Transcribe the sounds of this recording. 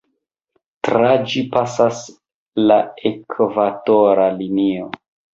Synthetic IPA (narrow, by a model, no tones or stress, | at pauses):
tɾad͡ʒipasas | laekvatoɾalinio